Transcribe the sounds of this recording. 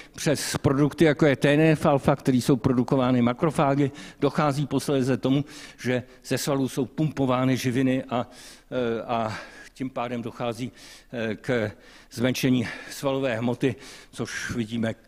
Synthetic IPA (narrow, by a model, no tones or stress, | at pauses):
pr̝̥ɛspɾo̞dukt̪ɪjako̞jɛt̪ɛːnɛːfalfakt̪ɛɾiːso̞wpɾo̞duko̞vaːnɪmakɾo̞faːɡɪd̥o̞xaːziːposlɛːzɛt̪o̞muʒ̥ɛ | z̥ɛsvaluso̞wpumpo̞vaːnɪʒɪvɪnɪʔa | acimpaːdɛmdo̞xaːziːkzvɛnʃɛɲiːsvalo̞vɛːɦmo̞t̪ɪt͡soʃvɪɟiːmɛ